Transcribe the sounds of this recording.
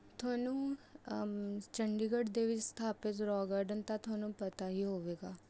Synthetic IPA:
t̪ʰʊaːnũː | t͡ʃəɳɖiɡəɖd̪eːʋɪt͡ʃst̪ʰaːpɪt̪ɾɔːɡaːɾɖənt̪ãt̪ʰʊaːnũːpət̪aɦiːɦoːʋeːɡaː

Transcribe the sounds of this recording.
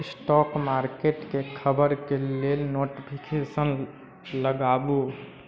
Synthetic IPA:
sʈɔkmaɾkeʈkekʰəbəɾkelelnoʈipʰikʰesən | ləɡabu

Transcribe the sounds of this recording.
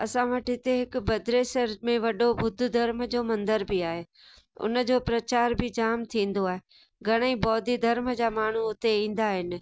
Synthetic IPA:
ɐsãʋɐʈɪt̪eɦɪkʊ̆bɐd̪ɾeːsəɾmẽʋɐɗobʱʊd̪ʱʊ̆d̪ʱɐɾməd͡ʑoːmɐ̃nd̪əɾbɪaːɦeː | ʊ̰nə̆d͡ʑoːpɾɐt͡ɕaːɾbʱɪd͡ʑaːmt̪ʰĩːnd̪oaːɦe | ɡʱɐɽ̃əĩbɔːd̪ʱid̪ʱɐɾmd͡ʑaːmaːɳ̤uʊt̪eĩːn̆d̪aɦɪnɪ̆

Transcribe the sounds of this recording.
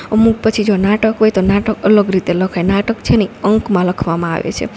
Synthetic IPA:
əmuk̚pət͡ʃʰid͡ʒonaʈəkɦojt̪onaʈəkələɡɾit̪eləkʰajnaʈəkt͡ʃʰeneəŋkmãləkʰʋamãa̰ʋḛt͡ʃʰḛ

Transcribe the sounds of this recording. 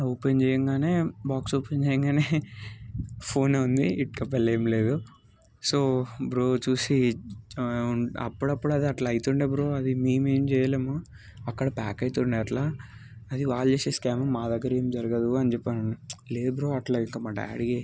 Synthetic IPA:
oːpend͡ʒɛːjɐŋɡaːne̞ːbaːksoːpend͡ʒɛjɐŋɡaːneː | pʰo̞ːneːund̪iiʈkɐp̬ːɐleːmleːd̪u | soːbɾoːt͡ʃuːsi | ɐ̰pːuɽɐpːuɽɐd̪iɐʈlaːjit̪uːɳɖeːbɾoːɐd̪imiːmeːmt͡ʃɛːjaleːmu | ɐkːɐɽɐpaːkɐjt̪uːɳeɐʈlaːɐd̪iʋaːɭɐd͡ʒeːseːskaːmɐmːaːd̪ɐɡːɐɾeːmd͡ʒɐɾɐɡɐd̪uɐnit͡ʃɛpːanɐnileːdbɾoːɐʈlaːiŋkamaʈɐ̰ɐ̰ɽiɡe

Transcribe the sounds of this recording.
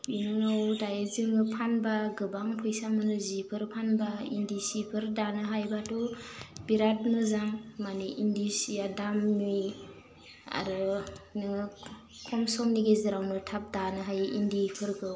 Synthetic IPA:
binɯawtajezɯŋɯpʰanbaɡɯbaŋpʰɯjsamɯnɯzipʰɯɾpʰanbaindisipʰɯɾdanɯɦajbatubiɾat̚nɯzaŋmaniʔindisijadamːij | a̰ɾɯnɯŋɯ | kʰɔmsɔŋniɡezɯɾawnɯtʰap̚danɯɦajʔindipʰɯɾɡɯ

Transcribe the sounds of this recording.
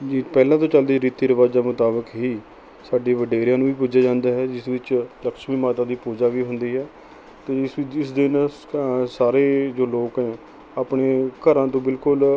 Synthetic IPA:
d͡ʒiːpɛːlãːt̪̬õːt͡ʃəld̪eːɾiːt̪ːiːɾəʋaːd͡ʒ̪aːmʊt̪aːbəkɦiː | saːɖeːʋəɖeːɾɪjãːnũːʋiːpʊd͡ʒaːd͡ʒãːnd̪aːɦɛːd͡ʒɪsʋɪt͡ʃləkʃmiːmaːt̪ãːd̪iːpuːd͡ʒaːʋiːɦʊnd̪iːɦɛː | t̪eːɪsʋɪs̬d̪ɪn | saːɾeːd͡ʒoːloːkɦɛ̃ː | aːpɳeːkəɾãːt̪õːbɪlkʊl

